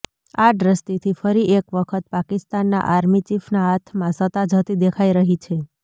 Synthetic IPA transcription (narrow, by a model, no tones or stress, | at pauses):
aɖɾəst̪it̪ʰifəɾiʔekʋəkʰət̪̚pakist̪anːa̰ʔaɾmit͡ʃifnaat̪ʰmãsət̪ad͡ʒʱət̪id̪ekʰaiɾəɦit͡ʃʰe